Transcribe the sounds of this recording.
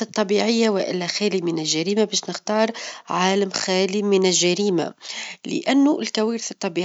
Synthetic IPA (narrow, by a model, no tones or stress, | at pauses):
ɨt̪ˤːɑbiːʕɪjːawɪʔɪ̰lːæxæːlimɪnɪlʒaɾiːmabɛːʃnɪxt̪ɑːɾˤʕaːlamxæːlimɪnɪʒʒːaɾiːma̰lɪ̰ʔanːuʔɪlkawiːɾθɨt̪ˤːɑbiː